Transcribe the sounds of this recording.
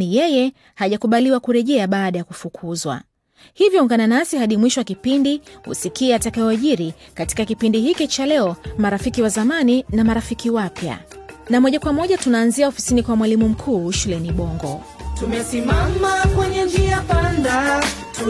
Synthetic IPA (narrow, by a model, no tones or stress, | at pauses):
ijɛjɛ | haʄakuɓaliwakuɾɛʄɛaɓaːɗajakufukʰuzwa̰ | hivjɔuŋɡananasihaɗimwiʃɔwakipindihṵsikiːatakajɔaʄiɾikati̥kakipindihikit͡ʃalɛɔmaɾafikiwazamaninamaɾafikiwapja̰ | namɔʄakwamɔʄatunaːnziaɔfi̥sinikwamwalimum̩kʰuːʃulɛniɓɔŋɡɔ̰ | tumɛsimamakwɛɲɛnd͡ʒiapandat